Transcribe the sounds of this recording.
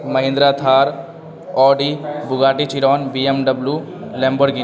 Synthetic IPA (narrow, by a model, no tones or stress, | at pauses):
mɐɦɪ̃nd̪ɾat̪ʰaːɾ | ɔːɖibʊɡaːʈit͡ʃiɾɔːnbiemɖəblulɛ̃ːmbəɾɡi